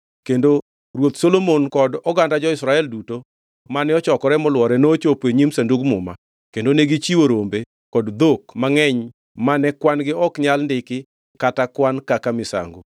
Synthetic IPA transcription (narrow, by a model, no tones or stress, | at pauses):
kendo | ɾwot̪solomonkɔdɔɡandad͡ʒɔɪsɾaɛlduto | manɛɔt͡ʃɔkɔɾɛmɔlwɔɾɛnot͡ʃopweɲimsenduɡmʊ̰ma̰ | kendoneɡit͡ʃiwoɾombe | kɔdd̪okmaŋɛɲ | manɛkwanɡɪɔkɲalndɪkɪ | katakwankakamɪsa̰ŋɡo